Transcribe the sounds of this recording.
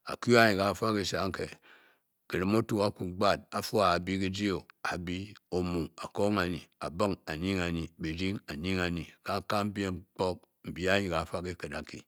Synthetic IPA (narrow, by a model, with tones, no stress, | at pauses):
a̰˨ku˦a˦ɲi˨ka˨˦fa˦ki˦sa˨˦ŋ˦ke˨ | ki˨ɾi˦mo˦tu˨a˦ku˨˦ɡ͡ba˦˨t̚a˨fu˦a˨a˨bi˦ki˦d͡ʒi˦o˨a˨bi˦o˨mu˨a˨ko˦ŋa˨ɲi˨a̰˨bə˦ŋa˨ɲi˦ŋa˨ɲi˨bi˨ɾi˦ŋa˨ɲi˦ŋa˨ɲi˨ka˦˨ka˦m̩˦bʲe˦ŋ͡mk͡po˦k̚ | m̩˨bi˦a˦ɲi˨ka˨˦fa˦ki˦kə˨da˨kḭ˨